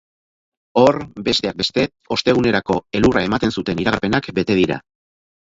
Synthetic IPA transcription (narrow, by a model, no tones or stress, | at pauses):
o̞rbe̞st̪e̞ak̚be̞st̪e̞ | o̞st̪e̞ɣ̞une̞ɾako̞e̞lurae̞mat̪e̞nsut̪e̞niɾaɣaɾpe̞nakbe̞t̪e̞ðiɾa̰